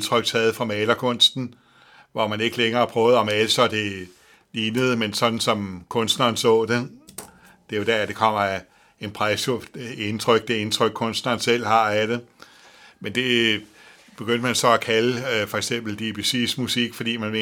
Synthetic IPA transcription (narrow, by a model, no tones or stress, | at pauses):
nt͡sʰʁœɡ̥t͡sʰɛːð̞̩ˠfʁɑ̈mɛːlɐkʰɔ̽n̰sd̥n̩ | ʋɒmæne̝ɡ̥əleŋɐːpʰʁœːʊð̞̩ˠɒ̽mælsɒ̽d̥e̝ | liːnəð̩ˠmensɒ̽d̥n̩sɒ̽mkʰɔ̽nsd̥nɐːn̩sɔ̰̽ːd̥e̝ | d̥e̝jo̝d̥æɐæd̥ekʰɒ̽m̰ɐ | enpʰʁasoe̝nt͡sʰʁœɡ̥̚d̥e̝e̝nt͡sʰʁœɡ̥̚kʰɔ̽nsd̥nɐːnsel̰hɑ̈æɾ̥e̝ | mend̥e̝ | b̥e̝ɡ̥øn̰d̥əmænsɒ̽ækʰæləfɒ̽e̝ɡ̥sem̰b̥l̩d̥ib̥isismusiɡ̥fɒd̥ḭːmæne